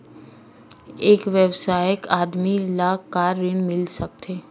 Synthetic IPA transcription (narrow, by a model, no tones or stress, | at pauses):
eːkʋjəwsaːjəkaːd̪milakaːɾːɪnmɪlsɐk̚t̪ʰeː